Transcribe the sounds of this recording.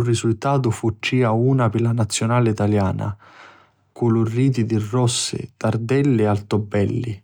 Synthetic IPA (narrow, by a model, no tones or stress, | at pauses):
urːisult̪aːt̪̬ʊfut͡ʃːiːauːnapɪlanat̪sːjʊnaːlɪit̪aljaːna̰ | kulʊrːiːt̪̬id̪irːɔsːɪ̰t̪ard̪ɛlːɪalt̪ɔbːɛlːḭ